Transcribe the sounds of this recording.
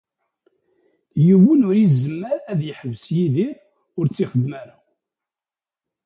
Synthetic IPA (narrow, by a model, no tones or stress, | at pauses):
juwənʊɾizːəmːəɾæðjəħəvəsjiðiɾ | ʊɾt͡sːiχəd̪mæɾa